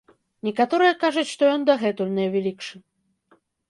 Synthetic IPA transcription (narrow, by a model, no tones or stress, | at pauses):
nʲɛkat̪ɔɾɨjɐkaʐɐt͡sʲʂt̪ɔjɔnd̪ɐɣɛt̪ulʲnʲɐjwvʲɛlʲikʂɨ